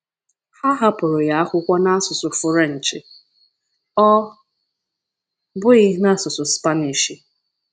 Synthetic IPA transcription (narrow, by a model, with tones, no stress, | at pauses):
ha˦ɦa˦pʊ˨ɾʊ˨ja˦a˦kʷʊ˦kʷa˦na˦a˦sʊ˨sʊ˨fʊ˨ɾe˦˨n̩˨t͡ʃɪ˨ | ɔ˦ | bʊ˦ɪ˦na˦sʊ˨sʊ˨spa˦ni˨ʃi˨